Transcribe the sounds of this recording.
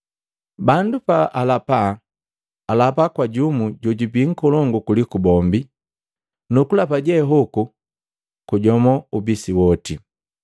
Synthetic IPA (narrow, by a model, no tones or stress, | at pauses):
bandupaʔalapa | alapakwaɟumuɟɔɟubiŋ̩kɔlɔŋɡukulikubɔmbi | nukulapaɟɛɦɔku | kuɟɔmɔubisiwɔti